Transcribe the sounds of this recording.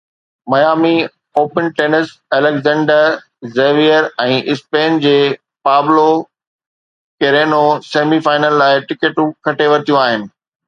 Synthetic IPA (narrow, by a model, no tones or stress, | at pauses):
mɐjaːmi | oːpənʈeːnəsɛːlɛkzɛ̃ːɳɖəɾ | zeːʋijəɾɛ̃ːʔɪspeːnd͡ʑeː | paːblo | keɾeːnoseːmifaːɪnəlːaːɪʈɪkeʈũkʰɐʈʰeʋɐɾt̪ijũaːɦɪnɪ̆